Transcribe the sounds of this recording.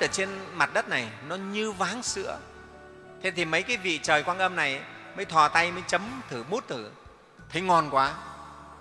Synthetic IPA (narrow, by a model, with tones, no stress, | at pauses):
ɨ˧˩t͡ɕe˧nma˨˩t̚ɗə˦˥t̚na˨˩jnɔ˨˦ɲɨ˧vaː˨˦ŋsɨ̰˧˥ə | t̪ʰe˧t̪ʰi˨˩mə˨˦jkaː˨˦jvḭ˧˨t͡ɕəː˨˩jkwaː˧nʔə˧mna˨˩jməː˨˦jt̪ʰwaː˧˩t̪a˧jməː˨˦jt͡ɕə˨˦mt̪ʰɨ˧˩mu˦˥t̚t̪ʰɨ˧˩ | t̪ʰə˨˦jŋɔ˧nkwaː˨˦